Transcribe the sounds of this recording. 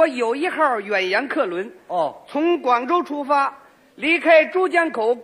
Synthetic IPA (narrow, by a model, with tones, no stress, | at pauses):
jo˨˩ʊi˥˧xa˥˩ɥɛ˨˩njɛ˧˥nkʰɤ˥˩lwə˧˥n˧t͡sʰʊ˧˥ŋkwɑ˨˩ŋʈ͡ʂo˥ʊʈ͡ʂʰu˥fa˥ | li˧˥kʰa˥ɪʈ͡ʂu˥t͡ɕja˥nkʰo˨˧˥ʊ